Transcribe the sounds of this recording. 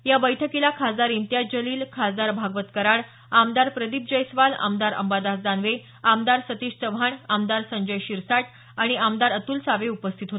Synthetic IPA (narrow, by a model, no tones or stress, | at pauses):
jabəjʈʰəkilakʰad̪aɾint̪jad͡ʑəliːlkʰad̪aɾbʱaɡʋət̪kəɾaɽ | amd̪aɾpɾəd̪ip̚d͡ʑəjsʋala̰md̪aɾə̰mbad̪asd̪anʋe | amd̪aɾsət̪iɕsəbʱaɳamd̪aɾsəɲd͡ʑəjɕiɾsaʈ | aɽ̃iamd̪aɾət̪uːlsaʋeupəst̪ʰit̪ɦot̪